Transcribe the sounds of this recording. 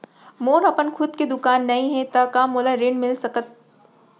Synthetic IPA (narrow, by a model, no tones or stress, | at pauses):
moːɾɐpənkʰʊd̪̚ked̪ʊkaːnːɐɦĩɦɛ̃t̪akaːmoːlaɾɪɳmɪlsɐkət̪̚